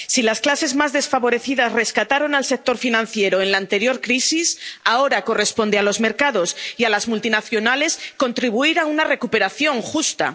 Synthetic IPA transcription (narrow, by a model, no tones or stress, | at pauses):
silasklase̞zmazðe̞sfaβo̞ɾe̞θiðasre̞skat̪aɾo̞nalse̞k̚t̪o̞ɾfinãnθje̞ɾo̞e̞nlaːnt̪e̞ɾjo̞ɾkɾisisao̞ɾako̞re̞spo̞nd̪ealo̞zme̞ɾkaðo̞sialazmult̪inaθjo̞nale̞sko̞nt̪ɾiβuiɾaunare̞kupe̞ɾaθjo̞ŋxust̪a̰